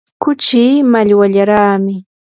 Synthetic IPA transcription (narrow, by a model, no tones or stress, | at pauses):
kʊt͡ʃiːmaʎwaʎaɾaːmɪ